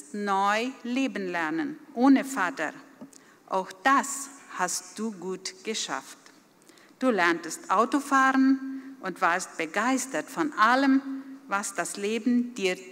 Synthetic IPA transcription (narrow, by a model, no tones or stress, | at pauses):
stnɔʏleːbn̩lɛɐnənʔoːnəfaːtɐ̰ | ʔa̰ʊxd̥ashast̚d̥uːɡuːtɡ̥əʃa̰ft | d̥uːlɛɐntəstʔaʊtofaːʁənʔʊntv̥aːɐst̚b̥əɡaɪstɐtfɔnʔaləmvasd̥asleːbm̩diːɐ